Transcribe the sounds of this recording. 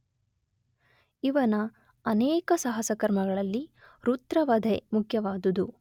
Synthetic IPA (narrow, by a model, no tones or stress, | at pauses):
iʋɐnɐ | ɐneːkɐsaɦɐsɐkɐɾmɐɡɐɭɐlːiɾut̪ɾɐʋɐd̪ʱemukʰjɐʋaːd̪ud̪u